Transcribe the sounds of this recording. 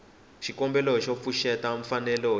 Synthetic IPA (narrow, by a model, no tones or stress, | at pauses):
ʃikɔmbɛlɔʃɔfuʃɛtaɱ̩fanɛlɔ